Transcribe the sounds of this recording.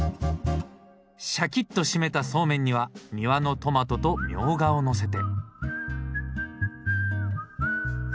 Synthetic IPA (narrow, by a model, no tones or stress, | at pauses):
ɕakʲit̪ːo̞ɕime̞t̪aso̞ːmẽ̞ɲ̟ːiβamʲiβano̞t̪o̞mat̪o̞t̪o̞mʲjo̞ːɡaono̞s̬e̞t̪̬e̞